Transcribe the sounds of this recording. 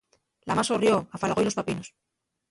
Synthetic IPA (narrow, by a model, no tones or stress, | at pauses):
la̰masorjo̞afalɣo̞jlo̞s̬papino̞s